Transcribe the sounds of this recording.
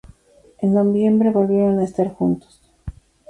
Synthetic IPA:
e̞nːo̞βje̞mbɾe̞βo̞lβje̞ɾo̞naest̪aɾxunt̪o̥s

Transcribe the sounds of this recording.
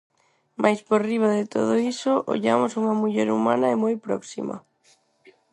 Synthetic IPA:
mʔajspoɾriβ̞aðɪt̪o̰ð̞oisoʔo̰ʎamosuŋɐmuʎɛɾumanɐemojpɾɔksḭmɐ̰

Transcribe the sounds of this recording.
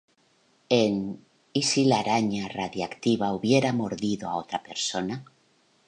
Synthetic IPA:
en | isilaɾaɲaraðjakt̪iβauβje̞ɾamoɾðiðoa̰ot̪ɾape̞ɾso̞na

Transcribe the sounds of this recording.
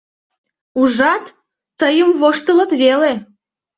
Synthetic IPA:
uʒɑt̪ː | əjəmβoʃt̪ə̆lə̆t̪βele

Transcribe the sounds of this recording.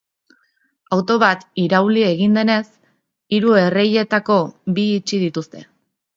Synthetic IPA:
awt̪o̞βat̪iɾawlie̞ɣind̪e̞ne̞s | iɾue̞re̞je̞t̪ako̞biːt͡ʃið̞it̪ust̪e̞̰

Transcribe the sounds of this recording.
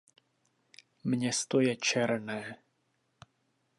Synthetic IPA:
mɲɛst̪ojɛt͡ʃɛɾnɛː

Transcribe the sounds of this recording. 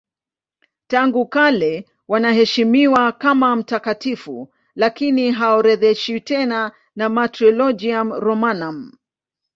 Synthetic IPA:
taŋɡukalɛ | wanaɦɛʃimiwakamam̩takatifṵ | lakiniɦaɔɾɛðɛʃitɛna | namatɾɔlɔd͡ʒiamɾɔmanam

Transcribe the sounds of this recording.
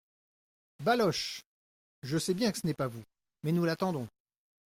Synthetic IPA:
balɔʃ | ʒəsɛbjɛ̃kə̥sənɛpavu | mɛnulat̪ɑ̃d̪ɔ̃

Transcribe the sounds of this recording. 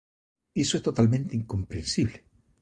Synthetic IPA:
esoest̪ot̪almẽnt̪eiŋkõ̞mpɾẽnsiβle

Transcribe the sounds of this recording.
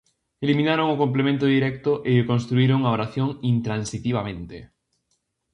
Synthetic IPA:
elimĩnaɾoŋʊkomplemẽnt̪ʊðiɾɛk̚t̪ʊʔeʎekõnst̪ɾuiɾoŋaoɾaθjoŋint̪ɾansit̪iβ̞amẽnt̪e

